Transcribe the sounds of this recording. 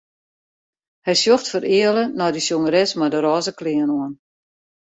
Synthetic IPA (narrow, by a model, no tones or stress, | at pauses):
hɛjsjoxtfəɾɪələnɔjdəsjoŋəɾɛsmadəɾɔːzəklɪənɔən